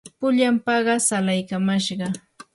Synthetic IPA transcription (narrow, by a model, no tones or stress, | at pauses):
pʊʎampɑɢɑsalajkamaʃɢɑ